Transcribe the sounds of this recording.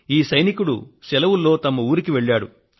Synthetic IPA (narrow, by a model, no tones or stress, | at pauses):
iːsɐjnikuɽṵsɛlɐʋulːo̞ːt̪ɐmɐuːɾikiʋe̞ɭːaːɽṵ